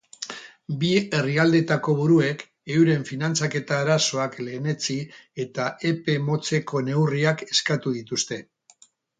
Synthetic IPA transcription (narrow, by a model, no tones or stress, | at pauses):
bie̞riald̪e̞t̪ako̞β̞uɾue̞k | e̞wɾe̞ɱfinant͡sake̞t̪aːɾaso̞akle̞ːne̞t͡sie̞t̪ae̞pe̞mo̞t͡se̞ko̞ne̞wriake̞skat̪uð̞it̪ust̪e̞